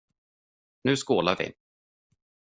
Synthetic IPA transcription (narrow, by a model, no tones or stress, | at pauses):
nʉ̟ːskoːlaɾvɪ̰